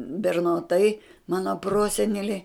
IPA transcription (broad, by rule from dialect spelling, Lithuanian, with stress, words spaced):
bʲɛrnoːˈtɐɪ ˈmɑːnoː ˈproːsʲɛnʲɛlʲeː